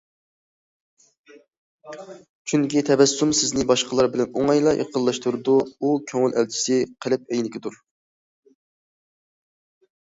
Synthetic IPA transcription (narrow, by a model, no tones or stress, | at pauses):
t͡ʃʰyŋkʲit̪ʰɛbɛsːumsɪznɪbɑʃqəlˠɑɾbɪlɛnoŋɑjlˠɑʔḛqʰəlˠːɑʃt̪uɾɨd̪uukʲʰøŋylɛlt͡ʃʰi̥sɪqʰəlɪp̚ɛjnɪkʲʰɪd̪uɾ